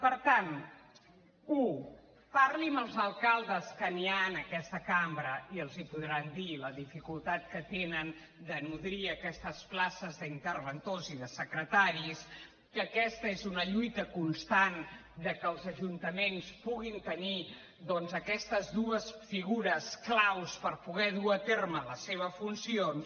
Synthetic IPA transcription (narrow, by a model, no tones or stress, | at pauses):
pəɾt̪an | u | paɾliməlˠzəlˠkalˠd̪əskənianəkɛst̪əkambɾəiəlˠzipuðɾand̪iləðifikulˠt̪at̪̚kət̪enən | d̪ənuðɾiəkɛst̪əsplasəzðəint̪ərβənt̪oziðəsəkɾət̪aɾis | kəkɛst̪əezunəʎujt̪əkunst̪an | d̪əkəːlˠzəʒunt̪əmenspuɣint̪əni | d̪ɔnzəkɛst̪əzðuəsfiɣuɾəsklawspəɾpuɣ̞ɛðuət̪ermələseβ̞əfunsions